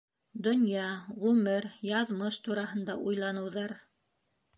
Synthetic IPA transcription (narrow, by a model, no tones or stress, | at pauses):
d̪ŏnjɑʁʉmɘɾjɑðmɤʃt̪uɾɑhɤ̆nd̪ɑʔujlˠɑnɤ̆wðɑɾ